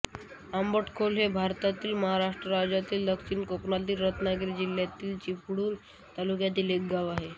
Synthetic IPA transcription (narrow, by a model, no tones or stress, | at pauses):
ambəʈkʰolɦebʱaɾt̪at̪iːlməɦaɾaʂʈɾəɾad͡ʑat̪iːld̪əkt͡ɕiːnkoknalt̪iːlɾət̪nakeɾid͡ʑiljat̪iːlt͡ɕipɽuːn | t̪alukjat̪̬iːlekɡaʋaɦe